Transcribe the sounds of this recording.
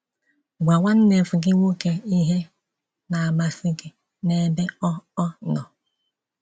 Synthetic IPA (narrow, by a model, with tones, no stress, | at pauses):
ɡʷa˨ŋʷa˦n̩˦ne˨fu˨ɡɪ˦ŋʷo˦ke˦˨i˦ɦe˦ | na˨a˨ma˨si˦ɡɪ˨ | ne˦be˦ɔ˦ɔ˦nɔ˨